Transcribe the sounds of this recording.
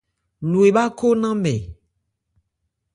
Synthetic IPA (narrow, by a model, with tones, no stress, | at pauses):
lu˨e˨ba˦ko˦nã˦mɛ̰˨